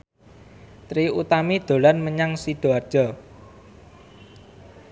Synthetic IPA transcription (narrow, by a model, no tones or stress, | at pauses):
t̪ɾiut̪amid̪̥o̤lanməɲaŋsiɖ̥o̤ard̥ʒ̥ɔ